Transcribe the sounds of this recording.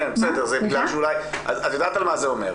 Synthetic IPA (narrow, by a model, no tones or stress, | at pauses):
enbesɛd̪eʁzebiɡlalʃeulajʔa̰zazjod̪aːtalmazeomeʁ